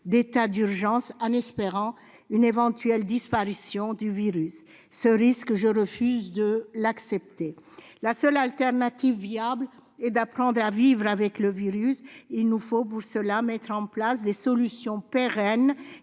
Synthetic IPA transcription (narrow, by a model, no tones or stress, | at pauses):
d̪et̪ad̪yʁʒɑ̃sɑ̃nɛspeʁɑ̃ | ynevɑ̃t̪ɥɛld̪ispaʁisjɔ̃d̪yviʁysː | əʁiskʒəʁəfyzd̪əlaksɛp̚t̪elasœlalt̪ɛʁnat̪ivːjablɛd̪apχɑ̃d̪ʁavivʁavɛkləviʁysilnufop̬uʁsəlamɛt̪χɑ̃plasd̪esɔlysjɔ̃peʁɛn